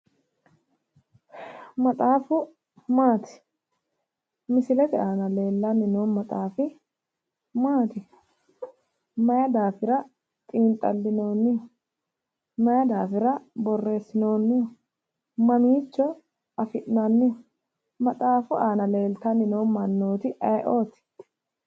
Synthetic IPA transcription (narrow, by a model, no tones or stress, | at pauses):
mɐt̪ʼaːfʊ | maːt̪ɪ̥ | mɪsɪlɛt̪ɪaːnɐle̞ːlːanːɪnoːnmɐt̪ʼaːfɪ | maːt̪ɪ | mɐjɐd̪aːfɪɾɐ | t̪ʼiːnt̪ʼɐ̰lːɪnoːnːɪʊ | mɐjɐd̪aːfɪɾɐbɔrːe̞ːsːɪno̞ːnːɪʊ | mɐmiːt͡ʃːɔ | ɐfɪʔnanːɪʊ | mɐt̪ʼaːfʊʔaːnɐle̞ːlt̪ɐnɪnoːmɐnːoːt̪ɪʔɐjʔoːt̪ɪ̥